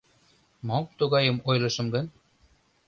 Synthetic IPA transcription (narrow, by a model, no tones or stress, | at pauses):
mɑp̚t̪uɣɑjɤ̆mojlˠɤ̆ʃɤ̆mɡə̆n